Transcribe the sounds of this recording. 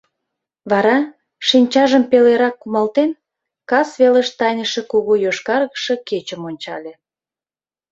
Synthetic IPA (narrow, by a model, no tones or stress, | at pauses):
βɑɾɑ | ʃinʲt͡ɕɑʒəmpeleɾɑkːumɑlt̪en | kɑsβeləʃt̪ɑjnəʃĕkuɣojoʃkɑrɣə̥ʃə̆ket͡ɕəmonʲt͡ɕɑ̰lʲe